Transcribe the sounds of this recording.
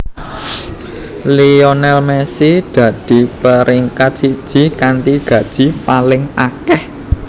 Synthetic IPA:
lionɛlmɛsid̪̥ä̤d̪̥i̤pəɾʔiŋkat̪̚sid̥ʒ̥i̤kant̪iɡ̥ä̤d̥ʒ̥i̤palɪŋakɛh

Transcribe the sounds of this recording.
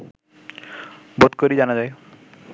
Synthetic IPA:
bod̪koɾid͡ʑanad͡ʑaj

